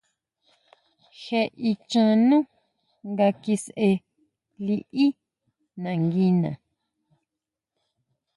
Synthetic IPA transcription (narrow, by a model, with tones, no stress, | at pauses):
xe˧ʔi˧t͡ʃã˧nũ˦ | ŋɡa˧ki˧se˧ | li˧ʔi˦ | nã˨ŋɡi˧nã̰˨